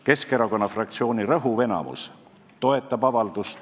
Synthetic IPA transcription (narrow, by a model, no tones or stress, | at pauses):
ke̞ske̞ɾɑko̞nːɑfrɑkt̪sio̞ːniɾɤɦuve̞nɑ̰mṵs | t̪o̞e̞t̪ːˑɑbɑvɑld̪̥ust̪